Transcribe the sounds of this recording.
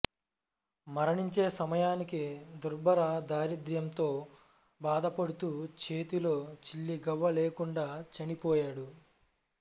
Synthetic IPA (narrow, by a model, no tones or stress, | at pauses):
mɐɾɐɳiɲt͡ʃe̞ːsɐmɐjaːnikid̪uɾbʱɐɾɐd̪aːɾid̪jɐmt̪o̞ː | baːd̪ɐpɐɽut̪uːt͡ʃe̞ːt̪ilo̞ːt͡ʃilːiɡɐʋːɐleːkuɳɖaːt͡ʃɐnipɔːjaːɽu